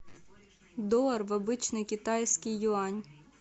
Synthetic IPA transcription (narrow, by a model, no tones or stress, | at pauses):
d̪ɔɐrʋɐbɪt͡ʃnɪjkʲit̪ɑjsʲkɪjːʊɑnʲ